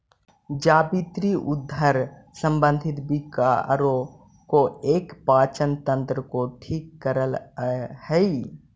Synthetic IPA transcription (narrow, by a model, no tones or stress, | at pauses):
d͡ʒaːbit̪ɾiʔʊd̪ʱːəɾsə̃mbə̃nd̪ʱɪt̪bika̰ɾo | koeːkpaːt͡ʃənt̪ə̃nt̪ɾəkoʈʰiːkːəɾəlhɛi